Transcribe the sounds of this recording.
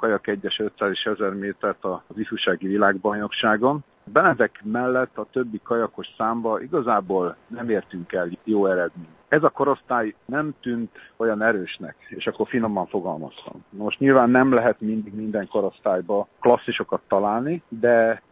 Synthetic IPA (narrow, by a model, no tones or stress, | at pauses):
kɒjɒkɛɟːɛʃø̞t̪saːzeːʃɛzɛrmeːt̪ɛrt̪ɒzifuʃaːɡivilaːɡbɒjno̞kʃaːɡo̞n | bɛnɛd̪ɛkmɛlːɛt̪ːɒt̪øbːikɒjɒko̞ʃsaːmbɒʔiɡɒzaːboːlnɛmeːrt̪yŋkɛljoːɛɾɛd̪meːɲt̪ɛzɒko̞ɾo̞st̪aːjnɛmt̪ynt̪o̞jɒnɛɾøːʃnɛ̰keːʃɒkːo̞rfino̞mːɒɱfo̞ɡɒ̰lmɒ̰st̪ɒ̰mnɒmo̞ʃtɲilvaːnːɛmlɛɦɛt̪mind̪iɡmind̪ɛŋko̞ɾo̞st̪aːjbɒklɒsːiʃo̞kɒt̪ːɒlaːlnid̪ɛ